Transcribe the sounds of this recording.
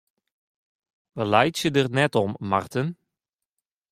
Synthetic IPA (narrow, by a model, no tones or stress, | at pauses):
ʋəlajtsədərnɛtɔmmɑ̰rtən